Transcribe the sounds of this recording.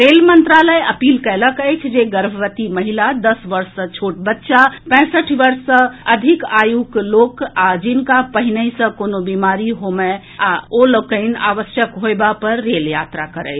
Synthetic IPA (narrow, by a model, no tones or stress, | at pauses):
ɾelmənt̪ɾaləjəpiːlkələkəjt͡ʃʰd͡ʒeɡəɾbʱəʋət̪iməɦilad̪əsʋəɾsːə̃t͡ʃʰoʈbətːʃapɛ̃səʈʰʋəɾsːə̃əd̪ʱikajuklokad͡ʒinkapəɦinəisə̃konobimaɾiɦome | aoləkəɪna̰ʋəsjəkɦoebapəɾːeljat̪ɾakəɾə̰ɪt͡ʃ